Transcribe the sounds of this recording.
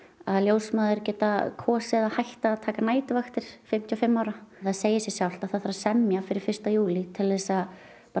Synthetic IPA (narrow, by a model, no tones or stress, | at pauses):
aðljowsmaːðɪɾcɛːt̪akʰɔːsɪðahajht̪aːðt̪ʰaːkanaːjt̪ɪvaxt̪ɪɾ̥fɪm̥t̪ʰjɔfɪmːaːwɾaθaðseːjɪsjɛsjawl̥t̪aθaðθaɾasɛmjafɪɾɪɾ̥fɪr̥st̪ajuːlɪt̪ʰɪlvɛsað | p